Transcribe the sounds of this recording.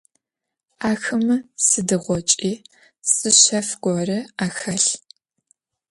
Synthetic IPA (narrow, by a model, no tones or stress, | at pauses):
aːxɨmɨsɨdɨʁʷɔt͡ʃʼiː | sʼɨɕɐfɡ̥ʷɔrɨaːxɐɬ